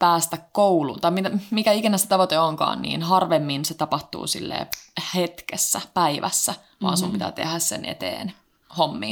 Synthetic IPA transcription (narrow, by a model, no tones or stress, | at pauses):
pæːst̪ækkouluːnt̪ɑimit̪æmikæikinæset̪ɑʋot̪eoŋkɑ̰ːnnḭːnɦɑrʋemːinset̪ɑpɑht̪ṵːsḭlːḛːhet̪kesːæpæiʋʔæ̰sːæ | ʋɑ̰ːnsumpit̪æ̰ːt̪ḛhæssḛnʔḛt̪ḛːn | homːḭːn